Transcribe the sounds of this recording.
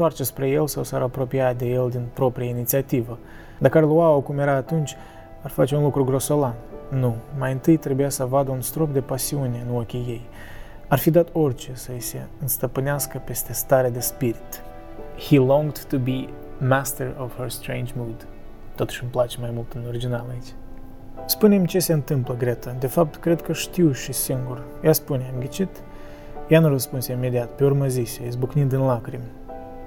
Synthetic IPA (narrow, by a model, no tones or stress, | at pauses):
t̪oart͡ʃespɾe̞je̞lsawsaɾapɾo̞piat̪̚d̪e̞je̞ld̪inpɾo̞pɾijainit̪siat̪ivə | d̪akəaɾluaokumjeɾaːt̪unt͡ʃʲ | arfat͡ʃeunlukɾuɡɾo̞so̞lannumajɨnt̪ɨjt̪ɾe̞bujasəvad̪əunst̪ɾo̞p̚d̪e̞pasiune̞nuokʲije̞j | arfid̪at̪o̞rʲt͡ʃe̞səise̞ɨnst̪əpɨneaskəpe̞st̪e̞st̪aɾead̪e̞spiɾit̪ | hilɔ̃ŋɡd̪t̪ːubi | mæst̪əɹɔv̥həɹst̪ɾẽɪ̃nd͡ʒmud̪ | t̪ːot̪u̥ʃɨmplat͡ʃemajmult̪ɨnoɾid͡ʒinalait͡ʃʲ | spune̞mt͡ʃe̞se̞ɨnt̪ɨmpləɡɾet̪əd̪e̞fap̚t̪kɾe̞d̪kəʃt̪iwʃisiŋɡur | jaspuneamɡʲet͡ʃit̪ | januɾəspunseimed̪iat̪pe̞urmazisezbuknind̪ɨnlakɾim